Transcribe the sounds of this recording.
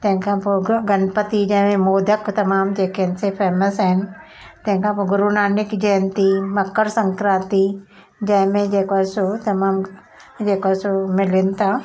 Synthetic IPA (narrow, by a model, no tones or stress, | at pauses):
t̪ɐ̃ɦɪ̃kʰãpoːɡɐnpət̪id͡ʑɐ̃ɦɪ̃mẽmoːd̪ʱəkt̪ɐmaːmd͡ʒeːkeɦɪnɪ̆sepʰeːməsaɦɪnɪ̆ | t̪ɐ̃ɦɪ̃ŋkʰãpoɡʊɾunaːnɪkd͡ʒeːnt̪imɐkːəɾsɐ̃ŋkɾaːt̪i | d͡ʑɐ̃ɦɪ̃mẽd͡ʒeːkaːsot̪ɐmaːm | d͡ʑeːkaːsomɪlɪnɪ̆t̪ʰaː